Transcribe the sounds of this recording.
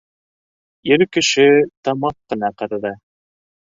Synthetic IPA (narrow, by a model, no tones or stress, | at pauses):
jɘɾkɘ̆ʃɘt̪ɑmɑqːɤ̆nɑqɑɾɑðɑ